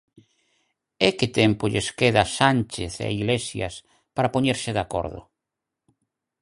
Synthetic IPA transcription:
ekɪt̪empoʎeskeðasant͡ʃeθḛa̰iɣlesja̰s | paɾapoɲeɾsɪðako̰ɾðʊ̰

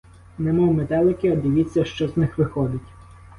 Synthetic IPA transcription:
nɛmɔwmet̪ɛlˠɪkɪɐd̪ɪʋʲit͡sʲːɐʃt͡ʃɔznɪxʋɪxɔd̪ɪtʲ

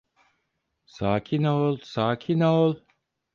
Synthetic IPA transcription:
saːcʰinoːlˠsaːcʰinoːlˠ

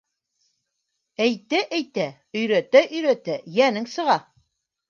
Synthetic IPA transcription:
æjt̪æʔæjt̪æ | ɵ̆jɾæt̪æʔɵ̆jɾæt̪æjænɘŋsɤ̆ʁɑ

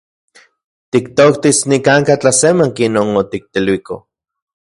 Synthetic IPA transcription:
t̪ikt̪okt̪isnikaŋkat͡ɬasemaŋkenonot̪ik̚t̪elwiko

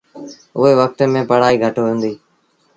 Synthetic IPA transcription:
ʊɦeːʋək̚t̪mẽːpəɽ̤aːiːɡʱəʈːʋẽːnd̪iː

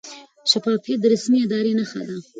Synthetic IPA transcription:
ʃafɑfijat̪̚d̪əɾasmiɪd̪ɑɾenaxa̰d̪a

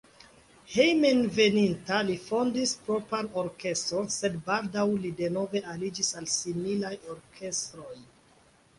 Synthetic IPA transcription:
hejmenve̞nintalifo̞ndispɾo̞paɾoɾke̞stɾonse̞dbaldawlide̞no̞ve̞ʔalid͡ʒisalsimilajoɾkʰe̞stɾo̞j

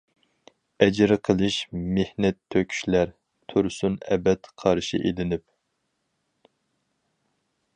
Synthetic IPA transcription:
ɛd͡ʒɪɾɨqʰəlˠɨʃmehnɛt̪ʰːøkʲʰy̥ʃlæɾ | t̪ʰuɾsunɛ̰bɛt̪qʰɑɾʃḭʔed̪ɪnɪp̚

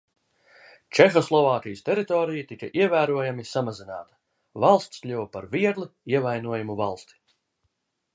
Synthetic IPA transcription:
t͡ʃɛxɔslˠɔvaːkʲijst̪ɛɾit̪ɔːɾijat̪ikaʔiɛvæːɾuɔjamisamazina̰ːt̪ɐ̥ | valˠst̪sklʲuwpaɾviɛɡlˠiiɛvajnuɔjumuvalˠst̪i̥

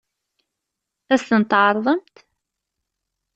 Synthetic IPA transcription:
æst̪ənt̪ʕɑɾˤðˤəmt̪

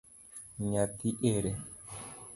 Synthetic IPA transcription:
ɲat̪iʔeɾɛ

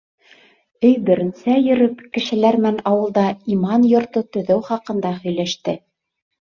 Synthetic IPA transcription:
ɵjbɘ̆ɾɘ̆nsæjɵ̆ɾɵpkɘ̆ʃɘ̆læɾmɘ̆ænɑwɤ̆lˠd̪ɑimɑnjŏɾt̪ɤt̪ɵ̆ðɘwχɑqɤ̆nd̪ɑhɵ̆jlæʃt̪ɘ

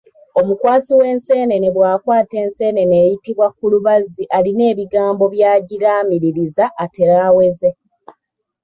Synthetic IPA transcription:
o̞mukwaːsiwe̞ːnse̞ːne̞ne̞βwaːkwaːte̞ːnse̞ːne̞ne̞ːjitiβwakuluβaziʔaline̞ːβiɡaːmbo̞βjaːɟiɾaːmiɾiɾizaʔːte̞ɾaːwe̞ze̞

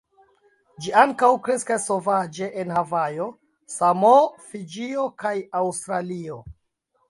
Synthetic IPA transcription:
d͡ʒiaŋkawkɾe̞skasːo̞vad͡ʒe̞ʔenhavajo | samofid͡ʒio̞kajawstɾalio

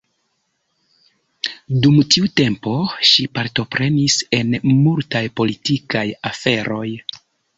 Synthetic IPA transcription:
dumtiute̞mpo̞ʃipaɾto̞pɾʔe̞nise̞nmultajpo̞litikajafe̞ɾo̞j

